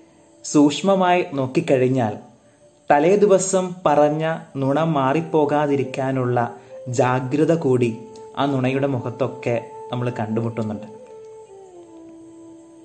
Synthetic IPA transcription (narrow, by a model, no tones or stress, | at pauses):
suːkʂmɐmaːjino̞ːkːikːɐɻiɲːaːl | t̪ɐleːd̪iʋɐsɐmpɐrɐɲːɐnuɳɐmːaːripːo̞ːɣaːðiɾikʲːaːnuɭːɐd͡ʑaːɡɾɨðɐkuːɽiaːnuɳɐjuɽe̞muɣɐt̪ːo̞kːe̞nɐmːɐɭkɐɳɖumuʈːunːuɳɖɨ